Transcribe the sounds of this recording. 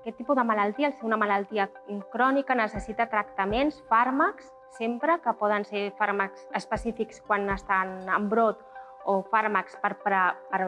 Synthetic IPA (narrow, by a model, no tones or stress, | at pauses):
kɛt̪ːipuðəmələlˠt̪iəːlseunəmələlˠt̪iə | kɾɔnikənəsəsit̪ət̪ɾəkt̪əmensfaɾməks | sempɾəkəpɔð̞ənseɾfaɾməksəspəsifikskwanəst̪anəmbɾot̪ | ofaɾməkspəɾpɾəpəɾ